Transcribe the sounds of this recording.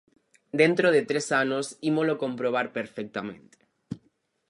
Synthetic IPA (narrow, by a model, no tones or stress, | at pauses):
d̪ent̪ɾoðet̪ɾesanosimolokõmpɾoβ̞aɾpeɾfek̚t̪amẽnt̪e̥